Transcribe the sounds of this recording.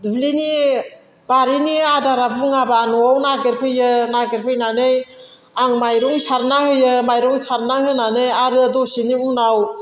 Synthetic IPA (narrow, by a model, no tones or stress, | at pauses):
dɯblini | baɾiniadaɾabuŋabaːnɔawnaɡeɾpʰɯjɯnaɡeɾpʰɯjnanɯj | aŋmajɾɔŋsʰaɾnahɯjɯmajɾɔŋsʰaɾnahɯnanɯjaɾɯdɔsiniunaw